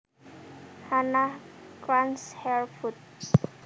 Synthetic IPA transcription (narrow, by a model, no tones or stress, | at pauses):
hanakɾanshɛɹfut̪s